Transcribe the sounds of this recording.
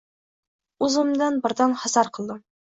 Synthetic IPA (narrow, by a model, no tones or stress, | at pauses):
uzəmd̪ɑnbə̆ɾd̪ɑnhɑsɑɾqəlˠd̪ɤ